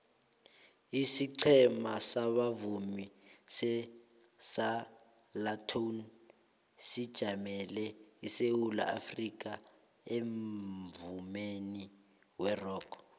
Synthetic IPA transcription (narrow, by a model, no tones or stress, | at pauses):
isiǀʰɛmasaɓavumisɛ | sa | latʰon | sid̥ʒ̥ʱamɛlɛisewula̰afrik̬ʼa | eɱvumeni | wɛrɔːkʰ